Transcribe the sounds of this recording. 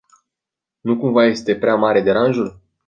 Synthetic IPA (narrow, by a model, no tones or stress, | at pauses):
nukumvaje̞st̪e̞pɾeamaɾe̞d̪e̞ɾanʒul